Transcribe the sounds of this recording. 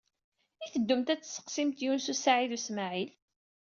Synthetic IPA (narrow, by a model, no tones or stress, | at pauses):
iθəd̪ːʊmt̪æt͡sːsə̥qsimt̪junsusaʕiðusmaʕil